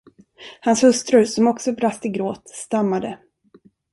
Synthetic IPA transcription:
hanshɵst̪ɾɵsɔmɔksɔbɾast̪ɪɡɾoːt̪st̪amːad̪ə

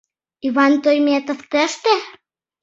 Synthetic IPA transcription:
iβɑnt̪ojmʲet̪oft̪əʃt̪e

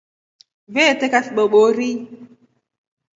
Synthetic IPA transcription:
vetekasɓoɓoɾi

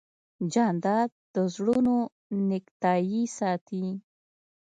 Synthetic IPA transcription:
d͡ʒɑnd̪ɑd̪̚d̪̥əzɽuno | nɪkt̪ɑjisɑt̪i

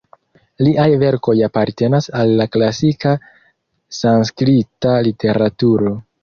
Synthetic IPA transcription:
liʔajve̞ɾko̞japaɾte̞nasalːaklasika | sanskɾitalitʰe̞ɾatuɾo̞

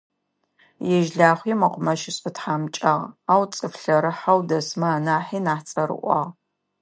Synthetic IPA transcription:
jɛʒɮaːχʷiːmɐqʷʊmɐʃɪɕʼɨtħaːmt͡ʃʼɐʁaːwt͡sʼɨfɬɐɾɨħawdɐsmaːnaːħiːnaːħt͡sʼɐɾɨ̰ʔʷɑ̰ʁ

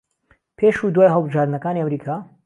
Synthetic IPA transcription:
pʰeːʃud̪waːjɦəlˠbɨʒaːɾd̪nɐkaːniɐmɾiːkʰaː

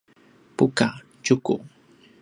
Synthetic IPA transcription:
pʊka | t͡ʃʊkʊ̰

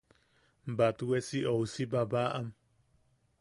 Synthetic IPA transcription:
mbat̪uesiowsibaβaʔam

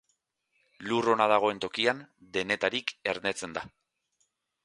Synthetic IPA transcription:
luro̞nað̞aɣ̞o̞e̞nt̪o̞kiand̪e̞ne̞t̪aɾike̞ɾne̞t͡se̞nd̪a

